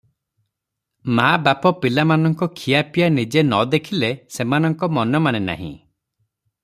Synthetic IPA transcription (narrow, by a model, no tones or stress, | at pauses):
mabapɔpilamanɔŋkɔkʰijapijanid͡ʒenɔd̪ekʰilesemanɔŋkɔmɔnɔmanena̰ɦḭ̃